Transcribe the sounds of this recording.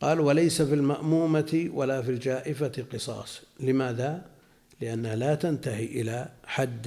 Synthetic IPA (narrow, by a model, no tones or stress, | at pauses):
qɑːlwalajsafiːlmaʔmuːmat̪walafiːld͡ʒaːʔɪfat̪qɨsˤɑ̰ːsˤlɪmaːða | lɪʔanːahlaːt̪ant̪aɦiʔɪlaħad̪ː